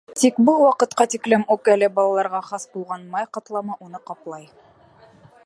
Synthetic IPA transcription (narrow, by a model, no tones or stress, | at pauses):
t̪ikbɤlˠwɑqɤ̆t̪qɑt̪iklɘmukælɘbɑlˠɑlˠɑɾʁɑχɑsbulˠʁɑnmɑjqɑt̪lˠɑmɑʔunɤqɑplˠɑj